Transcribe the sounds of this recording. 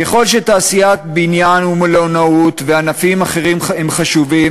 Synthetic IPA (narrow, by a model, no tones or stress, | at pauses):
keχo̞lʃet̪aːsijat̚binjanhumelonaut̪veanafimaχe̞ʁimemχaʃuvim